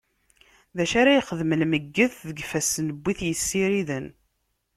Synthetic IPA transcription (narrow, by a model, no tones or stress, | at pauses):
ðæʃaɾajχəðməlməɡːəθðəɡfæsnəbːiθjəsːiɾiðən